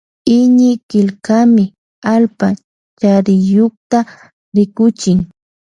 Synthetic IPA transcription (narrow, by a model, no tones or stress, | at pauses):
ɪɲɪkɪlkamɪ | alpa | t͡ʃaɾɪjoχt̪a | ɾɪkʊt͡ʃɪŋ